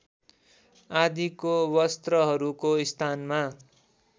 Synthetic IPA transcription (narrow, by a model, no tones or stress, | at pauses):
ad̪ikowʌst̪rʌɦʌɾukoist̪ʰanma